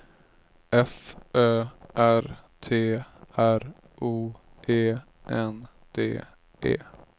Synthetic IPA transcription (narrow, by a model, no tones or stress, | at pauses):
ʔɛfʔøːʔæɾt̪ʰeːæɾ | ʔuː | ʔeː | ʔɛn | d̪̥ḛː | ḛː